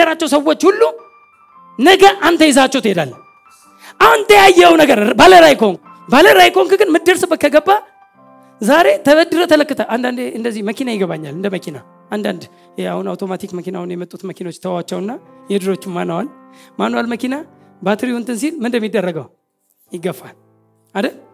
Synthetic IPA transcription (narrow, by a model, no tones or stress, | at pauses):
əɾat͡ʃːɛwsəwːo̞t͡ʃːhulːu | nəɡəʔant̪ʰəjɛzat͡ʃːɛwt̪ʰəhed̪alː | ʔahunt̪ʰəjajːɛwnəɡəɾbaləɾajkoŋk | baləɾajkoŋkɨɡɨnmɨd̪ːəɾsɨbɨkːəɡəbːa | zaɾe̞t̪ʰəβəd̪ːɨɾət̪ʰələkːɨt̪ʰəʔand̪and̪eɨnd̪əzːihməkinajɪɡəβaɲːalɨnd̪əməkʰina | ʔand̪a̰nd̪ | jahunawt̪ʰo̞mat̪ʰikməkinawunjɛmət̪ʼːut̪məkinawot͡ʃːt̪ʰəwawat͡ʃːɛwɨnːajɛd̪ɨɾo̞t͡ʃːɪmːanːəwalmanːəwalməkinabat̪ʰɨɾiʊnt̪ʰɨns̬ilmɨnd̪əmːid̪ːərːəɡəw | jɪɡəfːa̰l | ad̪ə